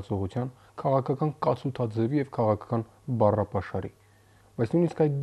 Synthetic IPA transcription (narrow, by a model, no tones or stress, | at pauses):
t͡sɔʁut͡sʰjɑn | kʰɑʁɑkʰɑkɑnkɑt͡sʰut̪ʰɑd͡zɛvijɛvkʰɑʁɑkʰɑkɑn | bɑrɑpɑʃɑɾḭ | b̥ɑjt͡sʰnujniskɑjt̪̚ɡ